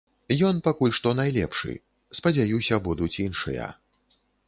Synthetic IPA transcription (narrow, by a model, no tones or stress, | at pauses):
jɔnpakulʲʂt̪ɔnajlʲɛpʂɨ̰ | spɐd͡zʲajusʲɐbud̪ut͡sʲinʂɐ̰jɐ̰